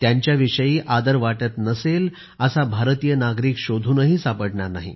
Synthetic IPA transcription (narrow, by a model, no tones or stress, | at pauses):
t̪jaɲt͡ɕjaʋiʂəjiːʔad̪əɾʋaʈət̪nəsel | əsabʱaɾt̪ijənaɡɾiːkɕod̪ʱuːnəɦiːsapəʈɳaɾna̰ɦḭ